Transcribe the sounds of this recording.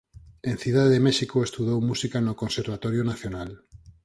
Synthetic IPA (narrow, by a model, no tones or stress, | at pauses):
ẽn̟θuðaððemesikoest̪uðowmusikanokonseɾβ̞at̪oɾjonaθjonal